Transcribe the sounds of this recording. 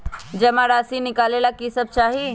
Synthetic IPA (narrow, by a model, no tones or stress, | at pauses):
d͡ʒəmaɾaːsinɪkaːlelakisəb̚t͡ʃaːɦi